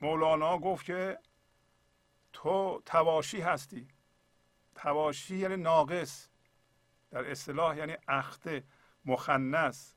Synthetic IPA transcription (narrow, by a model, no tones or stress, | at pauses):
molɑːnɒːɡoft̪kʰe | t̪ʰot̪ʰævɒːʃiːɦæst̪iː | t̪ʰævɒːʃiːjæniːnɒːɡes | d̪̥æɾest̪elɒːhjæniːʔæxt̪e | moxænːæs